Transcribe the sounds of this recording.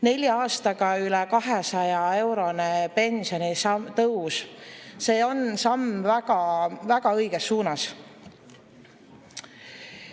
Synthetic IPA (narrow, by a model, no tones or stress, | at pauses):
ne̞lʲjɑɑːst̪ɑɡ̥ɑylɛkɑɦesɑjɑe̞wɾo̞nepe̞nsio̞nist̪ɤwsse̞ːo̞nsɑmvæɡ̥ɑvæɡ̥ɑɤjɡ̥esːuːnɑs